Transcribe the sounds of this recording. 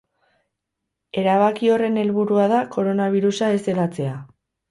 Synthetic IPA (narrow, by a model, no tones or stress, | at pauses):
e̞ɾaβ̞akio̞re̞ne̞lβuɾuaðako̞ɾo̞naβ̞iɾusaese̞ɣat͡se̞a